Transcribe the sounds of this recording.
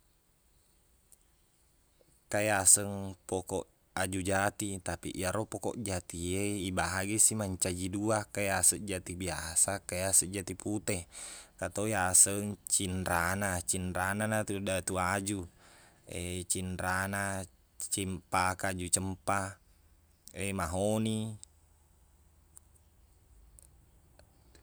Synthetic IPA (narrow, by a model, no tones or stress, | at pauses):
kajasəŋpɔkɔʔ | ad͡ʒud͡ʒat̪it̪apḭʔijaɾɔpɔkɔ̰ʔd͡ʒat̪ieibaɦaɡisimaɲt͡ʃad͡ʒiduakajasəʔd͡ʒat̪ibiasakajasəʔd͡ʒat̪iput̪ɛkat̪ojasəŋt͡ʃinɾanat͡ʃinɾananat̪udat̪uad͡ʒu | et͡ʃinɾana | t͡ʃimpakad͡ʒut͡ʃəmpa | emaɦoni